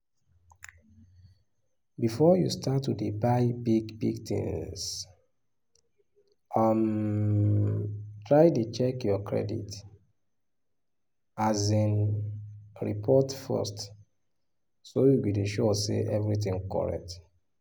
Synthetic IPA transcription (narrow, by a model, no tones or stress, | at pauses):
bifɔjṵstʰatːudibaɪbiɡbḭɡtḭ̃ŋs | ʔam | tɹaɪtut͡ʃɛkjɔkɹɛ̰dḭt | azĩn | ɹipʰɔtfɛ̰st | sojubideʃɔsḛʔɛvɹit̬ĩŋkɔ̰ɹɛ̰k̚t